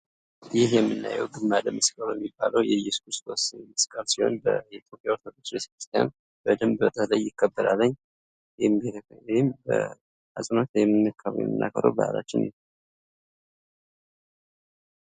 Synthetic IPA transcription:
jɪhjɛmːɨnːa̰jːɛ̰wɡɨmːaləmɨskʼəlojɛmːibːaləwjɛjɛskʰuɾst̪osmɨskʼəlsiho̞̰nbəɛit̪jo̞pʼjawɾt̪ʰod̪ot͡ʃːɾese̥kɾi̥st̪ʰja̰n | b̥əd̪ɨmbət̪ʼəlajːɪkʰːəbːəɾalːəɲː | mwjɪmbə̰ | asʼnot̪wjɛmːɨnːɨkʰːaβ̰jɛ̰mːɨnːa̰kʰːəɾə̰wbəa̰lat͡ʃːɪnḭ

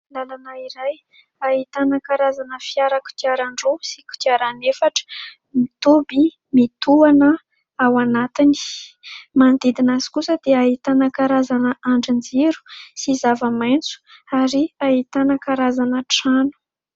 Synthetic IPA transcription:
lalanaiɾaj | aɦit̪anəkaɾazanəfiaɾaku̥t̪iaɾaɳɖ͡ʐosi̥kʲu̥t̪iaɾanefaʈ͡ʂə̥ | mit̪obi | mit̪uanə | awanat̪ini̥ | mand̪id̪inazi̥kusəd̪̥eaɦit̪anəkaɾazanəaɳɖ͡ʐind͡ziɾu̥sizavəmajnt͡su̥aɾiaɦit̪anəkaɾazanəʈ͡ʂanu̥

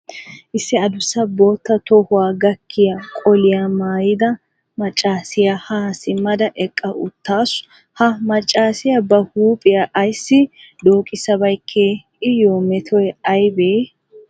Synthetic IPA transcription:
ʔɪsːɪɐd̪ʊsːɐbo̞ːt̪ːɐt̪ɔhʊwaːɡɐkʰːɪjakʼɔlɪjamaːjɪd̪ɐ | mɐt͡ʃʼːaːsɪjahasɪmːɐd̪ɐʔɛkʼːɐʔʊt̪ːaːs | hɐmɐt͡ʃʼːaːsɪjɐbɐhuːpʼɪjaʔɐjsːɪ | d̪oːkʼɪsːɐbɐjkʰːeː | ɪjoːmɛt̪ʰɔjɛɐjbeː

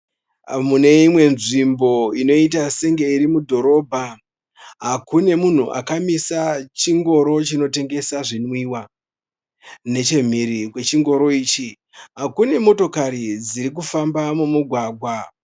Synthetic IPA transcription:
mune̞imwe̞nʐimbo̞ino̞it̬ase̞ŋɡe̞iɾimudʱo̞ɾo̞bʱa | ɦakune̞mun̤uʔa̰kamisat͡ʃiŋɡo̞ɾo̞t͡ʃino̞te̞ŋɡe̞saʐinwiwa | ne̞t͡ʃe̞m̤iɾikwe̞t͡ʃiŋɡo̞ɾo̞iːt͡ʃi | ɦakune̞mo̞to̞kaɾid͡ziɾik̬ufambamumuɡʱwaːɡʱwa

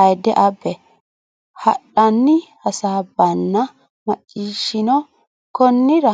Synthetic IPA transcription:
ɐjd̪ɛʔɐbːɛ | hɐ̰ɗːɐnːɪhɐsaːbɐnːɐ | mɐt͡ʃʼːiːʃɪnɔ | kɔnːɪɾɐ

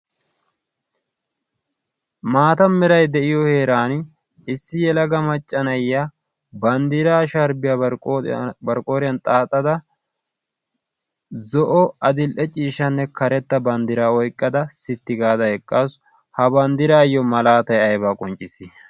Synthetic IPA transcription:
maːt̪ɐmɛɾɐjd̪ɛʔɪjɔhe̞ːɾaːn | ɪsːɪjɛlɐɡɐmɐt͡ʃʼːɐnɐjːa | bɐnd̪ɪɾaːʃɐɾbɪja | bɐɾkʼoːɾɪjɐnt̪ʼaːt̪ʼːɐd̪ɐ | zɔʔɔɐd̪ɪlʔɛt͡ʃʼiːʃɐnːɛkɐɾɛt̪ːɐbɐnd̪ɪɾaːɔjkʼːɐd̪ɐsɪt̪ːɪɡaːd̪ɐhɛkʼːaːs | hɐbɐnd̪ɪɾaːjːɔmɐlaːt̪ɐjɐjbaːkʼɔnt͡ʃʼːɪsɪ

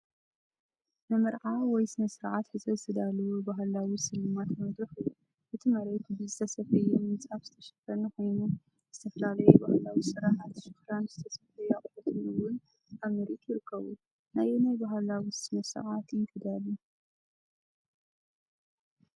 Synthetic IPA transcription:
nɨmɨɾʕawɔjsɨnɐsɨɾʕat̪ħɨzɐɨt̪ʰɨd̪alːɐwubaɦalawisɨlɨmat̪mɐd̪ɾɨxɨjːu | ʔɨt̪ʰimɐɾet̪bɨzɨt̪ʰɐsɐfɐjɛmɨnt͡sʼafz̥ɨt̪ʰɐʃɐ̥fɐnɨxo̞jnu | z̥ɨt̪ʰɐfɐlalɐjɛbahalawisɨɾaʕat̪ʃɨxɾanzɨt̪ʰɐsɐfɐjɛaχʼħɐt̪ʰɨluwʊn | ʔamɐɾit̪jɪɾɨkːɐβu | najenajbaɦalawisɨnɐsɨ̰ʕat̪jɨŋkʼɨd̪alːu

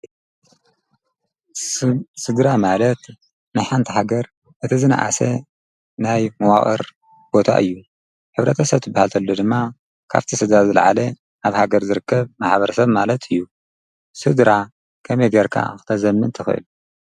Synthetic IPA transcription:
sɨd̪ɾamalɐt̪ | najħant̪ʰihaɡɐɾ | ʔɨt̪ʰizɨna̰ʔa̰sḛ | najmɐwa̰χʼɨ̰ɾ | b̥o̞t̪ʰa̰ʔɨ̰jːu | ħɨβɾɐt̪ʰɐsɐβt̪ʰɨbːahalt̪ʰɐlːod̪ɨmːa | kʰa̰βt̪ʰisɨd̪ɾazɨlʕa̰le | aβhaɡɐɾzɨɾɨkːɐβmaħbɐɾɐsɐβmalɐt̪ʰɨjːu | sɨd̪ɾa | kʰɐmejɡɐɾkʰa̰xɨ̥t̪ʰɐzɐmːɨnt̪ʰɨxɨ̰ʔɨ̰lu

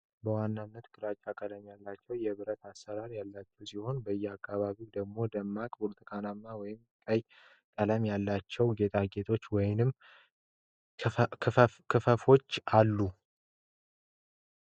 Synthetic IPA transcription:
bəwanːanːət̪kʼɨɾat͡ʃʼakʼələmjalːat͡ʃːɛwjɛβɨɾət̪asːəɾaɾjalːat͡ʃːɛwsiho̞nbəjːɛakːaβaβid̪əɡmo̞d̪əmːakʼbuɾt̪ʰʼɨkʰanamːawɔjɪmkʼəj | k̪ʼələmjalːat͡ʃːɛwɡe̞t̪ʼaɡe̞t̪ʰo̞t͡ʃːwɔjɪnɨmː | kʰɨfəfo̞t͡ʃːalːu

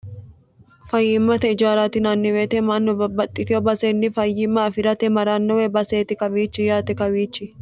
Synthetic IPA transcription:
fɐjːɪmːɐt̪ɛɪd͡ʒaːɾat̪ɪnanːɪweːt̪ɛmanːɔbɐbɐt̪ʼːɪt̪ɪɔbɐsenːɪfɐjːɪmːɐːfɪɾɐt̪ɛmɐɾaːnːɔwɛbɐseːt̪ɪkɐbiːt͡ʃːɪjaːt̪ɛkɐwiːt͡ʃːɪ

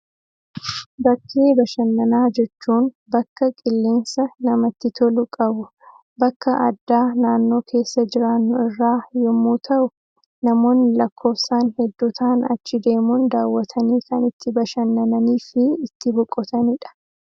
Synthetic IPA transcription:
bɐkʰːeːbɐʃɐnːɐnaːd͡ʒɛt͡ʃːuːn | bɐkːɐkʼɪlːeːnsɐnɐmɐt̪ːɪt̪ɔlʊkʼɐbʊ | bɐkːɐʔɐd̪ːaːnaːnːo̞ːkʰe̞ːsːɐd͡ʒɪɾaːnːʊɪrːaːjɔmːuːt̪ʰɐʔʊ | nɐmo̞ːnːɪlɐkːo̞ːfsaːnhɛd̪ːut̪ʰaːnɐ̰t͡ʃːɪd̪e̞ːmuːnd̪aːwːɐt̪ʰɐniːkɐnɪt̪ːɪbɐʃɐnːɐnɐniːfɪːt̪ːɪbɔkʼːɔt̪ɐnɪᶑɐ̥

